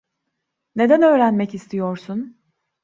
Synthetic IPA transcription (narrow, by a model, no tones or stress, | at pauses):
ne̞d̪ænø̞ːɾænmɛcist̪ʰijo̞ɾsun